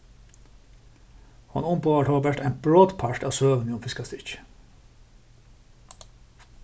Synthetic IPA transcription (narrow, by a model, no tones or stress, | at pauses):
hɑ̰nʊmpoːʋɑːʈʰoːbæʈæɪnbɹoːd̪pʰɑʈɑːsøːʋənɪʊmfɪskɑst̪ɪt͡ʃ